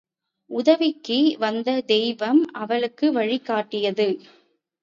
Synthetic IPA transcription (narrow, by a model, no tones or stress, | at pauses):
ʔʊðɐʋɪkːɯʋɐnd̪ɐd̪ɛjʋɐmɐʋɐɭɯkːɯʋɐɻɪkːaːʈːɪjɐðɯ